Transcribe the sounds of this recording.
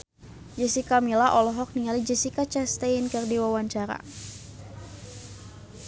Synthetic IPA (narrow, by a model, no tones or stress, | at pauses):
d͡ʒəsikamilaʔɔlɔɦɔk̚niŋalid͡ʒəsikat͡ʃast̪ankɨrdiwawaɲt͡ʃaɾa̰